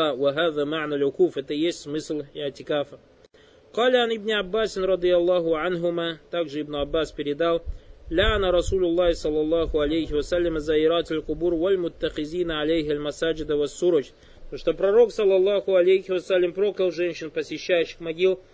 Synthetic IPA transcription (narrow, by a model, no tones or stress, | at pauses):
wɐɦaːðəmaʕnɐlʊkuːfɛt̪əjesʲtʲmɨslʲɪʕt̪ʲɪkafə | qɑːlɐʕanɪbnʲɪabːaːsʲɪnɾˤɑd̪ɨjɐlˠːɑɦʊʕanɦʊmat̪aɡʐɨɪbnʊabːaspʲɪɾʲɪd̪ɑlˠlaʕanaɾˤɑsulʲʊlˠːɑhɪsɐlˠːɑlˠːɑhʊalʲejhɪwɐsalːəməzaɪɾaːt̪ɐlʲqʊbuːɾwɐlmʊt̪ːɐxɪzʲiːnʕalajɦaɐlʲmɐsad͡ʒɪd̪əwɐsːuɾəd͡ʒ | t̪oʂt̪opɾɐɾo̞ksɐlˠːɑlˠːɑhʊalʲejhɪwɐsalʲːəmpɾokɾəlˠʐɛnʲɕɪnpəsʲɪɕːæjʊɕːɪxmɐɡʲilˠ